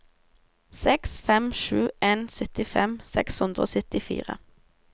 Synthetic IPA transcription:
sɛksfɛmʃʉːʔeːnsœt̪ɪfɛmsɛ̰kshʉnd̪ʁəo̰ːsœt̪ɪfḭːʁə̰

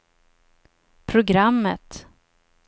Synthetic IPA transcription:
pʰɾʊɡɾamːə̰t̪

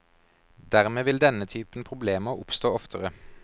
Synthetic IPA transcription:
d̪æʁmeːʋɪld̪ɛnət̪ʰyːpn̩pʰʁʊbleːməʁʊpst̪oːɔft̪ʰəʁə

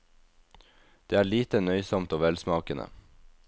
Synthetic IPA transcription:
d̪̥eːæːɭiːt̪ənœʏsɔmt̪oːʋɛlsmɑːkənə̰

